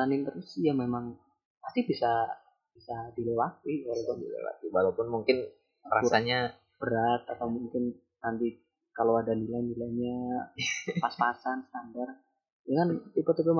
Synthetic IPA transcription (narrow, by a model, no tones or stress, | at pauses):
anint̪əɾʊsjamemaŋ | past̪ibisa | b̥isadilewat̪ikaloʊdilḛwa̰t̪iwalopʊnmuŋkɪn | rauɾaɲa | b̥əɾat̪̚at̪awmuŋkɪn | nant̪i | kalowadanilajnilajɲa | paspasanst̪andar | jakant̪ipat̪ipəm